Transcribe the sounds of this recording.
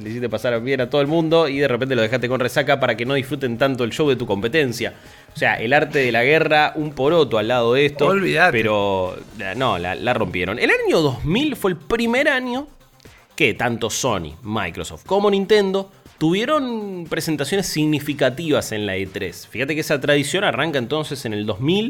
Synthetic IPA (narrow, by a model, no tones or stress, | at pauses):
d̪is̬iht̪epasaɾaβje̞nat̪oð̞elmũnd̪o̞iðerepe̞nt̪elo̞ð̞e̞xast̪ekonresakapaɾake̞no̞ðisfɾut̪e̞nt̪ant̪oelʃowðet̪uko̞mpe̞t̪e̞nsja | osea̰ʔelaɾt̪eðelaɣeraʔumpo̞ɾo̞t̪oalːað̞oðeest̪oolβiðatpeɾo̞la̰no̰la̰laro̞mpje̞̰ɾo̰nelaɲo̞ðozmilfweːlpɾimeɾaɲo̞ | ket̪ant̪oso̞̰nḭma̰jkɾo̰soft̪̚ko̞mo̞nĩnt̪e̞nd̪o̞ | t̪uβje̞ɾo̞npɾesent̪asjo̞nesːiɣnifikat̪iβase̞nlaet̪ɾesfixat̪e̞keesat̪ɾað̞isjo̞naraŋkaent̪o̞nse̞se̞ne̞ld̪ozmil